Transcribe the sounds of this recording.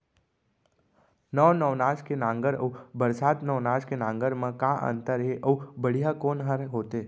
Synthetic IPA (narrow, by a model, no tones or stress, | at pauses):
nəʋnɔʋnaːʃkenãːŋɡəɾə̰ːbəɾsaːt̪nɔʋnaːʃkenãːŋɡəɾmẽkãʔə̰̃nt̪əɾɦeʔəːbəɽ̤ijakoːnɦəɾɦoːt̪eː